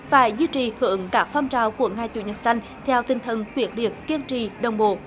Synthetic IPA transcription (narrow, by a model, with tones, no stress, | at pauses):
faː˧˩˦jzwi˧t͡ɕi˨˩hɨ˧˩˦əŋkaː˦˥k̚fɔ˧wŋ͡mt͡ɕaː˧˩wku˧˩əŋaː˧˩jt͡ɕṵ˧˩ɲə˨˩t̚sa˧jŋ̟ | t̪ʰɛ˧wt̪i˧˩nt̪ʰə˨˩nkwi˨˦˥ət̚ɗḭ˨˩ət̚ki˧ənt͡ɕḭ˧˩ɗə˨˩wŋ͡mɓo̰˧˨